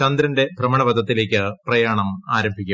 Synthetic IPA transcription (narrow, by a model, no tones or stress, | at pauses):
ɐnd̪ɾɐnde̞bʱrɐmɐɳɐʋɐd̪ʱɐt̪ːile̞ːkʲːɨprɐjaːɳɐmaːɾɐmbʱikʲːu